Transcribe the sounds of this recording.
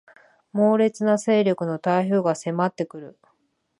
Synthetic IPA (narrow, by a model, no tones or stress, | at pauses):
mo̞ːɾe̞t͡sɨnase̞ːɾʲo̞kɯ̟no̞t̪aiço̞ːɡase̞mat̪ːe̞kɯ̟ɾɯ̟